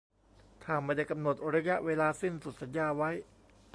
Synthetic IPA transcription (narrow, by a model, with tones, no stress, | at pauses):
t̪ʰaː˧˩mːaː˧da˥˩jka˧mno˨˩t̪̚ɾa˧˦˥ja˦˥ʔweː˧laː˧si˥˩nsu˨˩t̪̚sa˩˦njaː˧wa˦˥j